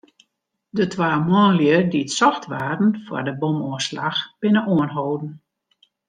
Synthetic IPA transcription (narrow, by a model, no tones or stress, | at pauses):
dətʰʋaːmɔːnljədiətsɔxtʋaːrn̩fɔ̰rdəbomoəsla̰xb̥ɪnəʔoənɦowdn̩